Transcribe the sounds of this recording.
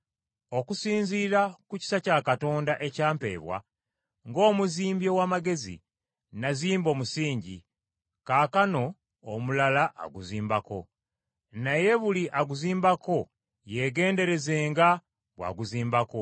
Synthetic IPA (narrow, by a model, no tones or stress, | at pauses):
o̞kusiːnɲziːɾakuci̥sacakato̞ːndaʔe̞caːmpe̞̰ːβwa̰ | ŋɡo̞ːmuziːmbjo̞waːmaɡe̞zḭ | naziːmbo̞ːmusiːɲɟḭ | kaːkano̞ː | mulalaʔa̰ɡuziːmbako̞̰ | naje̞βuliʔaɡuziːmbako̞ | je̞ɡe̞ːnde̞ɾe̞ze̞ːŋɡa | βwa̰ɡuziːmbako̞